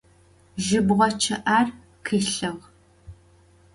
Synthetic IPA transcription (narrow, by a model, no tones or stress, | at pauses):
ʒɪbʁʷɔt͡ʃʰɐʔaːr | qʰiːɬɨʁ